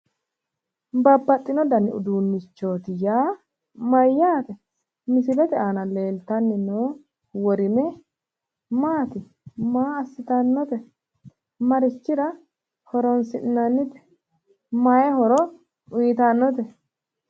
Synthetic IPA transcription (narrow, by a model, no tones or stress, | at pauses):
bɐbːɐt̪ʼːɪnɔd̪ɐnɪ̰ʊ̰d̪uːnːɪt͡ʃːo̞ːt̪ɪjaː | mɐjːaːt̪ɛ | mɪsɪlɛt̪ɛaːnɐle̞ːlt̪ɐnːɪnoː | wɔɾɪmɛ | maːt̪ɪ | maːɐsːɪt̪ɐnːɔt̪ɛ | mɐɾɪt͡ʃːɪɾɐ | hɔɾɔnsɪʔnːɐnːɪt̪ɛ̥ | majɛɦɔɾɔ | ʊjɪt̪anːɔt̪̬ɛ